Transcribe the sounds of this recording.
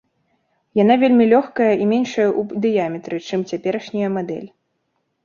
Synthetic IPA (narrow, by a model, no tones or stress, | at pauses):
jan̪avʲelʲmʲilʲɔxkɐjɐʔimʲenʂɐjɐʔud̪ɨjamʲɛt̪ɾɨt͡ʂɨmt͡sʲapʲɛɾɐʂnʲɐjɐmad̪ɛ̰lʲ